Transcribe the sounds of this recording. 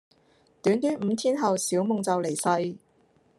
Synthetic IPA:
t̪yː˨˥nt̪yː˨˥nm̩ː˨˧t̪ʰiː˥nɦɐ˨wsiː˨˥wmʊ˨˧ŋt͡sɐ˨wle˨˩jsɐ˧j

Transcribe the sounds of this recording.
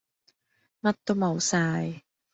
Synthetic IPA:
ma˧t̪ːo˧ma˨˩˦wsaː˧j

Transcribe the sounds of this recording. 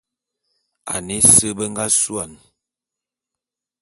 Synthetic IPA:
a̰˨ni˦sə˦bə˦ŋɡa˦su˦a˨n

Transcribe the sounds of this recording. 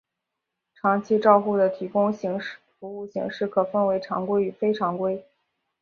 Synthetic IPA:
ʈ͡ʂʰɑ˧˥ŋt͡ɕʰi˥ʈ͡ʂɑ˥˧ʊxu˥˩d̪ə˩t̪ʰi˧˥kʊ˥ŋ˧˥ŋ˥fu˧˥u˥˩ɕḭ˧˥ŋʂɻ̩˥˩kʰɤ˨˩fə˥˧nwe˧˥ɪʈ͡ʂʰɑ̰˧˥ŋkwe˥ɪy˨˩fe˥ɪʈ͡ʂʰɑ˧˥ŋkwe˥ɪ

